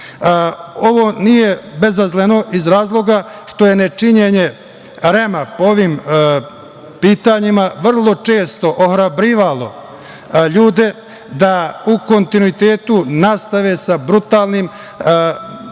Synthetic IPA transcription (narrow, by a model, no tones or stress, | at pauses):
o̞ʋo̞nije̞be̞zazleno̞ʔizɾaːzlˠo̞ɡaʃt̪o̞je̞net͡ʂiɲeɲe̞ | ɾemapooʋim | piːt̪aɲimaʋr̩lˠo̞t͡ʂeːst̪o̞ʔoxɾabɾiːʋalo̞ | ʎuːd̪e̞ | d̪auko̞nt̪inuit̪eːt̪unast̪aʋeːsabɾut̪aːlnim